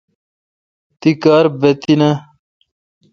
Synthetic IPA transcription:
t̪ikaːɾbet̪inɐ

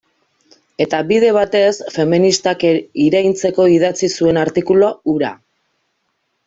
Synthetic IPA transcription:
e̞t̪aβiðe̞β̞at̪e̞sfe̞minist̪akiɾajnt͡se̞ko̞iðat͡sisue̞naɾt̪ikulo̞uɾa̰

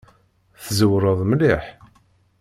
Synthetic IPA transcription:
θzəwɾˤəðˤmliħ

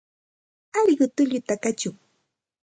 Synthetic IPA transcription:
aɾɢʊt̪ʊʎʊt̪akat͡ʃʊŋ

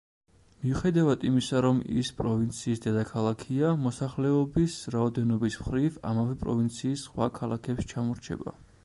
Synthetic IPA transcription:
miuχɛd̪avad̪imisaɾɔmḭspʼɾɔvint̪sʰiːsd̪ɛd̪akʰalˠakʰiamɔsaχlɛɔbisɾaɔd̪ɛnɔbismχɾiva̰mavɛpʼɾɔ̰vint̪sʰiːsχwa̰kʰalˠakʰɛpʃt͡ʃʰamɔɾt͡ʃʰɛ̰ba̰

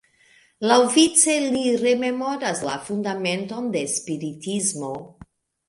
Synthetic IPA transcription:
lawvit͡se̞liɾe̞me̞mo̞ɾasla̰fundame̞nto̞nde̞spiɾitizmo̞

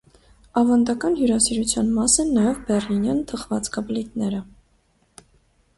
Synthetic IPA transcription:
ɑvɑnd̪ɑkɑnjuɾɑsiɾut͡sʰjɑnmɑsɛnːɑjɛvbɛrlinjɑnt̪ʰəχvɑt͡skɑblit̪nɛɾə

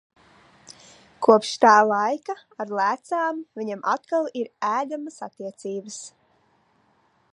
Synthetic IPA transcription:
kuɔpʃt̪aːlˠɑjkaaɾlˠæːt̪saːmviɲamʔat̪kalˠiɾæːlʲamasat̪iɛt̪siːbəs

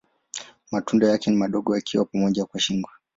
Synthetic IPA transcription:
matundɔjakɛnimaɗɔɠɔjakʰiwapamɔʄakwaʃiŋɡwa

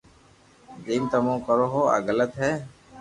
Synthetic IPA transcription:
d͡ʒiːmt̪əmõːkəɾoːɦoːa̰ːɡələt̪ɦɛː

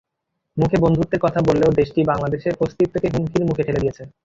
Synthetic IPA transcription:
mukʰebond̪ʱut̪ːeɾkɔt̪ʰabolːeod̪eʃʈibaŋlad̪eʃepost̪it̚t̪ʰːekeɦuŋkʰiɾmukʰekʰeled̪ijet͡ɕʰe

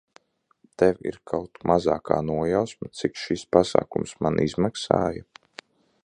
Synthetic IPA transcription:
t̪ɛwʲḭɾkʰawt̪mʔazaːkʰa̰ːnuɔjawsmat̪sikʃispasa̰ːkumsmanʔizmaksa̰ːja

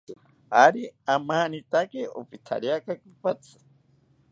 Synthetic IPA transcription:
aɾiamaːnit̪akio̰pit̪ʰa̰ɾjakakipat͡sʰɨ̥

